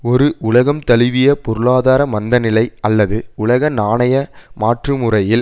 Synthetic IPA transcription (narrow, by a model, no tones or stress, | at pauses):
ɔɾɯʔʊɭɐɣɐmt̪ɐlɪʋɪjɐpɔɾɯɭaːðaːɾɐmɐnd̪ɐnɪlɐɪɐlːɐðɯʊɭɐɣɐnaːɳɐjɐmaːʈrɯmʊrɐjɪl